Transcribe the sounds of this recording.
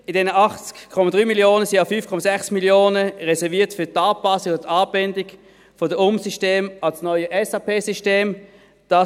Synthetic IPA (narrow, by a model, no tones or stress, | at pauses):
ɪdɛnəʔɑχt͡skkʰɔmad̥ʁyːmiljoːnəsiafyːfkʰɔmazɛχsmiljoːnəʁɛsɛʁviːɐtfyɐtɑːpɑsɪkʊtɑːbɛndɪk | fɔdəʊmsiʃteːmɑlsnɔʏəʔɛsɑːpʰeːsiʃteːm | d̥ɑ